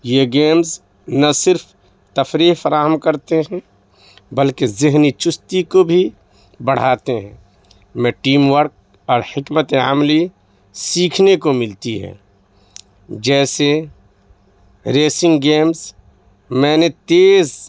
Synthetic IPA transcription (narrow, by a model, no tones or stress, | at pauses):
jeɡeːmz | nɐsɪɾpʰ | t̪ɐfɾiːɦfəɾaːɦəmkəɾt̪eɦɛ̃ | bəlkezɪɦnit͡ʃʊst̪ikobʱi | bɐɽ̤aːt̪eɦɛ̃ː | mɛ̃ːʈiːmwəɾk̚ | ɔːɾhɪkmət̪eə̰mli | siːkʰnekomɪlt̪iɦɛ̰ː | d͡ʒɛːse | ɾeːsɪ̃ŋɡɡeːmz | mɛ̃ːnet̪eːz